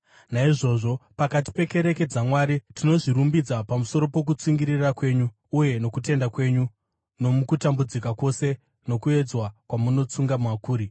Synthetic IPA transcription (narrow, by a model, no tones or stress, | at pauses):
naiʐo̞ʐo̞pakat̬i̥pe̞ke̞ɾe̞ke̞d͡zamwaɾitino̞ʐiɾumbid͡zapamuso̞ɾo̞po̞k̬ut͡siŋɡiɾirakwe̞ɲuː | je̞no̞kute̞ndakwe̞ɲu | no̞mukutambud͡zikako̞se̞ | no̞kue̞d͡zwakwamuno̞t͡suŋɡamwakuːɾi